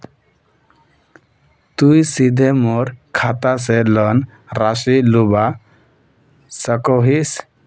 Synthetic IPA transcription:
t̪ujsid̪ʱɛmɔɾkʰat̪asɛlən | ɾasiluba | səkɔɦis

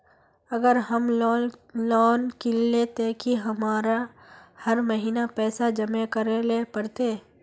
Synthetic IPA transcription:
ɐɡəɾɦəm | lɔːnkɪlːet̪ekiɦɐmaːɾa | hɐɾməɦiːnapɛːsad͡ʒɐmẽkəɾelepəɾt̪eː

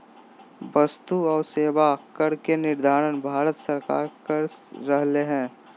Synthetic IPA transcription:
ʋɐst̪uɔːɾseːʋakəɾkenɪɾd̪ʱaːɾənbʱaːɾət̪səɾka̰ːɾkəɾːəɦleɦɛ̃ː

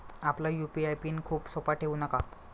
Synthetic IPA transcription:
aplajupiajpiːnkʰuːpsopaʈʰeʋuːnaka

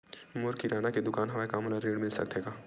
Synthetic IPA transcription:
mʊɾkiɾaːnaked̪ʊkaːnɦɐʋaekaːmulaɾeːɽmɪlsɐ̰k̚d̪eːɡaː

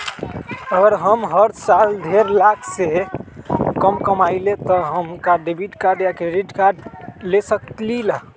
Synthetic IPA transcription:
əɡəɾɦəmɦəɾsald̪ʱeɾlakʰse | kəmkəmailet̪ɔɦəmɦukaɖebiʈkaɾɖjakɾeɖiʈkaɾɖlesək̪lila

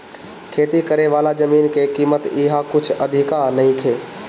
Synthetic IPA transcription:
kʰeːt̪ikəɾeʋaːlad͡ʒəmiːnkekiːmət̪ɪɦakʊt͡ʃʰəd̪ʱɪkaɾnəɦĩkʰeː

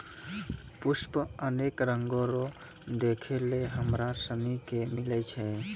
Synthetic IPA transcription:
pʊspəənekɾəŋɡõɾo | d̪ekʰeleɦəmɾasənikemɪlɛt͡ʃʰɛ

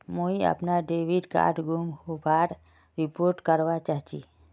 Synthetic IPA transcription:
moiə̰pnaɖeʋiɖka̰ːʈɡumhobaɾ | ɾipoɾʈkəɾʋat͡ʃaɦt͡ʃḭ

